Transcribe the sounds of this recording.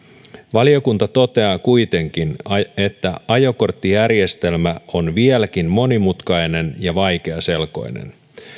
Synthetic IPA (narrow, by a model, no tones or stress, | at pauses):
ʋɑlio̞kunt̪ɑt̪o̞t̪e̞ɑːkujt̪e̞ŋk̟ine̞t̪ːæɑjo̞ko̞rt̪ːijærje̞st̪e̞lmæo̞nʋielæk̟inmo̞nimut̪kɑjne̞njɑʋɑjk̟e̞ɑse̞lko̞̰jnḛn